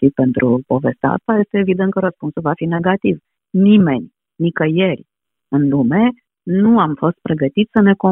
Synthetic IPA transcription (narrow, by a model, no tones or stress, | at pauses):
ipe̞nt̪ɾʔupo̞ve̞st̪a̰st̪aje̞st̪e̞ːvid̪nt̪̚kəɾəspunsulvafine̞ɡat̪iv | nime̞nʲ | nikəjeɾʲ | ɨnlume̞ | nuamfo̞st̪̚pɾe̞ɡət̪it̪ssəne̞ko